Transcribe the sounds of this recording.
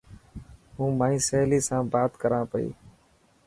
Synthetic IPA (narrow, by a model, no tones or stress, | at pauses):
ɦũːmãːĩːsəːliːsãːbaːt̪kəɾãːpəḭː